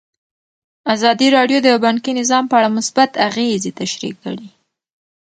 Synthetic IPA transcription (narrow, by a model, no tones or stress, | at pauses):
azɑd̪iɾɑɖjod̪əabankinɪzɑmpəaɽamʊsbat̪aɣezet̪aʃɾḭkːə̰ɽi